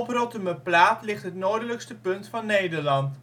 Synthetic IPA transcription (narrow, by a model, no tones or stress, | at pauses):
ɔprɔtəməplaːtlɪχtɦətnoːdələkstəpɵntfɑnːejdəɹlɑnt